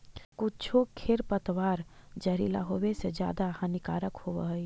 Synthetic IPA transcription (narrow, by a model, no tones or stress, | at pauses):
kʊt͡ʃʰokʰeɾpət̪waːɾd͡ʒəɾḭːla̰ɦowesed͡ʒja̰ːd̪ahɐnɪkaːɾəkhoʋə̰ɦi